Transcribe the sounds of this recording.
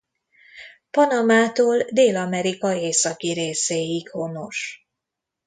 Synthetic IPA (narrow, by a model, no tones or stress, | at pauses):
pɒnɒmaːt̪oːld̪eːlɒmɛɾikɒeːsɒkiɾeːseːjikho̞no̞ʃ